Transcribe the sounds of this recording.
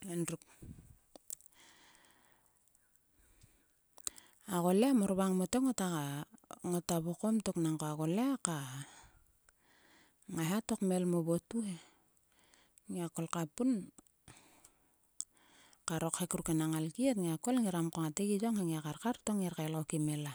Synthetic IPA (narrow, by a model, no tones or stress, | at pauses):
enɾuk̚ | aɣo̞leamoɾβaŋmotokŋotakaŋotaβoko̞mto̞knaŋkoaɣo̞leaka | ŋaɦato̞kme̞lmoβotuhe | ŋiako̞lkapun | kaɾo̞khekuɾukenaŋalkietŋiako̞lŋiɾamkoŋateɡid͡ʒoŋhaŋiakaɾkaɾtoŋeɾkaelokimela